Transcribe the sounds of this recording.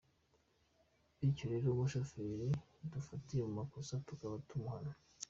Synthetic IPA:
icoɾiɾomuʃafiɾi | dufatijemumakosatukaβatʰumana

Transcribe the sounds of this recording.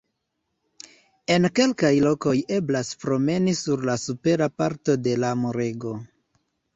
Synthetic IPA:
e̞nke̞lkajlo̞ko̞je̞blaspɾo̞me̞nisuɾlasupe̞ɾapaɾto̞de̞lamoɾe̞ɡo̞

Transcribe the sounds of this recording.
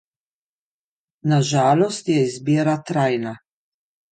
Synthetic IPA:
naʒaːlɔst̪jɛizbiːɾat̪ɾajna

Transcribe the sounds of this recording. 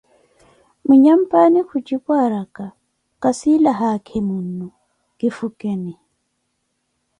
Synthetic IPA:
muɲam̩panikʰut͡ʃʼikwaɾaka | kʼasilaɦakʰɛmunːu | kifukɛni

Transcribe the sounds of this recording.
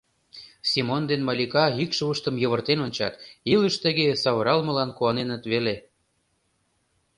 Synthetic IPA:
sʲimond̪enmɑlʲikɑikʃəuʃt̪ə̆mjɤ̆βə̆rt̪enonʲt͡ɕɑ̰t̪iləʃt̪ə̆ɣesɑβəɾɑlmɤ̆lɑnkuɑnenə̆t̪βele

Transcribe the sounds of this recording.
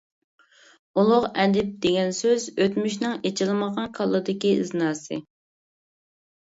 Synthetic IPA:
ulˠʊʁɛd̪ɪp̚d̪̥eɡʲɛnsøzøt̪myʃnɪŋet͡ʃʰɪlˠɨməʁɑnkʰɑlˠːɨd̪ɪkʲiɨznɑːsɨ

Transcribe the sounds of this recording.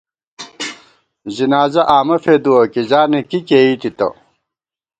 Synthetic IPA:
zinaːzɐʔaːmɐfed̪uwɐkid͡ʑaːnekikeːit̪it̪ɐ̰

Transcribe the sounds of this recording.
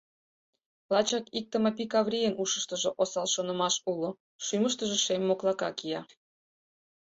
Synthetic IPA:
lɑt͡ɕɑkik̚t̪əmɑp̬ikɑβrʲijənuʃəʃt̪əʒoʔosɑlʃonə̆mɑʃulo | ʃyməʃt̪əʒeʃemːoklˠɑkɑkijɑ

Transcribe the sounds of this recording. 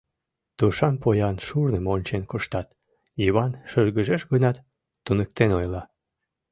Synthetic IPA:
t̪uʃɑnpojɑnʃurnəmonʲt͡ɕenkoʃt̪ɑt̪ | iβɑnʃølɣəʒeʃɡənɑt̪ː | unək̚t̪enojlɑ

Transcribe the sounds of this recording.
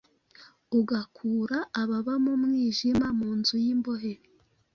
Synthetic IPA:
uɡakʰuːɾaːβaβamumŋiːʒimamuːnzujimbo̞ɦeɾi

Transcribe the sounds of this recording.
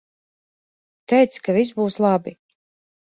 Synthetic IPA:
t̪ɛjt̪skavis̬buːslˠabi

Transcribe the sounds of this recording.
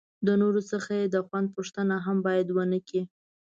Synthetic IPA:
d̪ənoɾosəxajed̪əxwand̪̚poʂt̪ənaɦambɑjad̪wənəki

